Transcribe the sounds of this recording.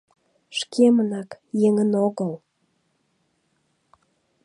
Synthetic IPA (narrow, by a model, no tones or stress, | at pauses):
ʃkʰemənɑkjeŋənoɣəl